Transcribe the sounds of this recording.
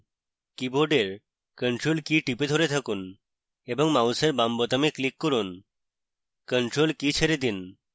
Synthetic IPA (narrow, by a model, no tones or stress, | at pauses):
kiboɾɖeɾ | kəɳʈɾolkiʈiped̪ʱoɾet̪ʰakun | ebɔŋmauseɾbambot̪ameklikːɔɾun | kəɳʈɾolkit͡ɕʰeɾed̪in